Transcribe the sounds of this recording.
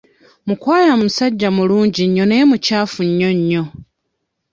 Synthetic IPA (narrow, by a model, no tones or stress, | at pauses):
mukwaːɾamumusaɟːamuluːɲɟiɲːo̞ne̞ːmucaːfuɲːo̞ɲːo̞